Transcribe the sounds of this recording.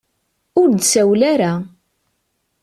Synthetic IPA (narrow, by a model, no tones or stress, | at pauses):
ʊɾd̪sæwlaɾa